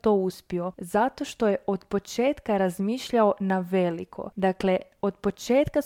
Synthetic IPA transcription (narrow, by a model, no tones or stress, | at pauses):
t̪o̞uspio̞zat̪o̞ʃt̪o̞je̞ʔo̞d̪po̞t͡ʃe̞ːt̪kaɾazmiːʃʎao̞naʋe̞likʰo̞̰d̪akle | od̪po̞t͡ʃeːt̪ka